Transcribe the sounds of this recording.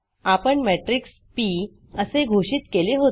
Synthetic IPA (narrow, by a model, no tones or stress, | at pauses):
apəɳmɛʈɾiks | pi | əseɡʱoɕiːt̪keleɦo